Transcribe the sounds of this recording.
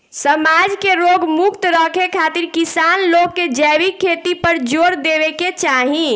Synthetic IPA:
səmad͡ʒkeɾoɡmukt̪ɾəkʰekʰat̪iɾkisanlokːed͡ʒɛwikʰːet̪ipəɾd͡ʒoɾd̪ebeket͡ʃaɦĩ

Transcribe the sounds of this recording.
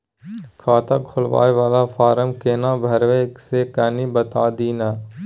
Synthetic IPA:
kʰaːt̪ʰaːkʰʊlʋa̰ːeʋaːlaːfaːɾəmkeːnãːbʱəɾʋeːkseːkəniːbət̪aːd̪iːnaː

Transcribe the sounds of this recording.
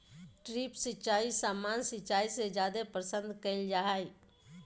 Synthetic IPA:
ʈɾiːpsɪt͡ʃaːisaːmaːnsɪt͡ʃaːised͡ʒjaːd̪epɾəsə̃nd̪kəɪld͡ʒaːɦai

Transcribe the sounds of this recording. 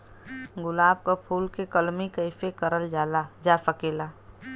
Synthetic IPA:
ɡʊlaːb̚kapʰuːlkekəlmikəɪfekəɾəld͡ʒaːlad͡ʒaːfəkeːlaː

